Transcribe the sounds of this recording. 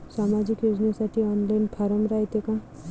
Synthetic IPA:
samad͡ʒikjod͡ʒnasaʈʰiɔnlajnpʰaɾɔmɾajt̪ekã

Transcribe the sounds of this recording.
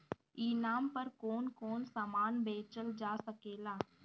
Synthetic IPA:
iːnaːmpəɾkoːnkoːnsaːmaːnbeːt͡ʃəld͡ʒaːsəkeːlaː

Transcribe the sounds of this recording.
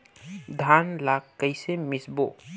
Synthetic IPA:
d̪ʱanlakkːəjsemɪsbo

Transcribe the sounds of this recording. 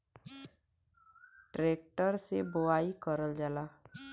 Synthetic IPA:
ʈɾeːk̚ʈəɾsebʊaːikəɾəld͡ʒalaː

